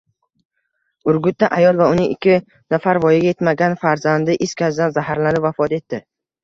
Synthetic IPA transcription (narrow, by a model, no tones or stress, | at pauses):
ʊɾɡʲʊt̪̚ːaʔajɒlˠvaʊnɪŋɪkʲʰːɪ | nafaɾvɒjɪɡʲaje̞t̪maɡʲanfaɾzand̪ɪʔɪskʲazd̪anzahaɾlanɪpvafɒt̪e̞t̪ːɪ